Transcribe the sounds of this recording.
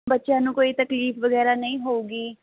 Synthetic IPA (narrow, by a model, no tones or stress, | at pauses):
bətːʃjãːnũːkoːiːt̪əkliːfʋəɡɛːɾaːnəĩːɦoːuːɡiː